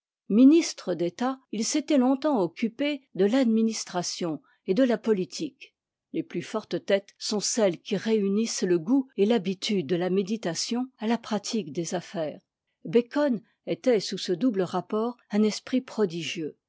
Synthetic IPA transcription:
minist̪χəd̪et̪ailset̪ɛlɔ̃t̪ɑ̃ɔkʲʰyped̪əlad̪minist̪χasjɔ̃ | ed̪əlapɔlit̪ʰik | leplyfɔʁt̪t̪ɛt̪sɔ̃sɛlkʲiʁeynisləɡuelabit̪ʰyd̪̚ːəlamed̪it̪asjɔ̃alapχat̪ʰikd̪ezafɛːʁ | bekɔn | et̪ɛsusəd̪ubləʁapɔːʁɛ̃nɛspχipχɔd̪iʒjø

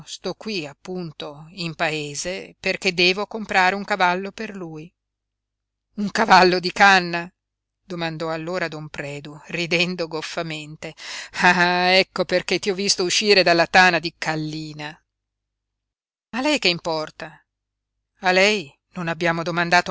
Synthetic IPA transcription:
st̪ɔkːwiapːunt̪oimpaeːzeperked̪ːɛːvokompɾaːɾeuŋkavalːoperluːj | uŋkavalːod̪ikanːa | d̪̥omand̪ɔalːoːɾad̪ɔmpɾɛːd̪urid̪ɛnd̪oɡofːament̪eaɛkːoperket̪ːiɔvːist̪ouʃːiːɾed̪alːat̪aːnad̪ikalːiːna | alɛjkeimpɔrt̪a | alɛj | nonabːjaːmod̪omand̪aːt̪o

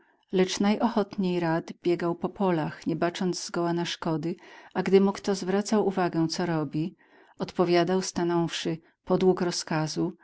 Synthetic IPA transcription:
lɛt͡ʂnajʔɔxɔt̪ɲejɾad̪bʲjɛɡawpɔpʰɔlaxɲɛbat͡ʂɔnd̪zzɡɔwanaʂkɔd̪ɘʔaɡd̪ɘmukt̪ɔzvɾat̪sawuvaɡɛw̃t̪sɔɾɔbʲi | ɔt̪pɔvʲjad̪awst̪anɔfʂɘ | pɔd̪wukɾɔskazu

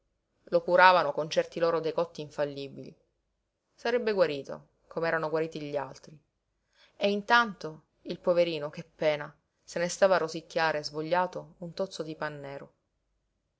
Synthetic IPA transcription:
lokuɾaːvanokont͡ʃɛrt̪iloːɾod̪ejkɔt̪ːiːɱfalːiːbilḭ | saɾɛbːeɡwaɾiːt̪o̰ | komeɛːɾanoɡwaɾiːt̪iʎialt̪ɾi | eint̪ant̪o | ilpoveɾiːnokeapːɛːna | senest̪aːvarːosikːaːɾezvoʎːaːt̪ount̪ot̪sːod̪ipanːɛːɾo

